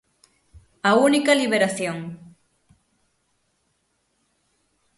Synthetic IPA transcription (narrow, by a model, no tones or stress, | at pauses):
aunikaliβeɾaθjoŋ